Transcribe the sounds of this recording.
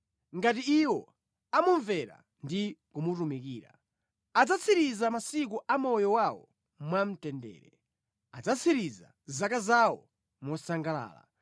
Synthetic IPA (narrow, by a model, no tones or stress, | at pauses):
ŋɡatiiwɔ | amuɱvɛɾa̰ | ndikumutumikiːɾa̰ | ad͡zat͡sʰiɾizamasik̬uʔamɔjɔwawɔ̰ | mwam̩tɛndɛ̰ːɾɛ | ad͡zat͡sʰiɾiza̰ | zakazawɔ̰ | mɔsaŋɡala̰ːla̰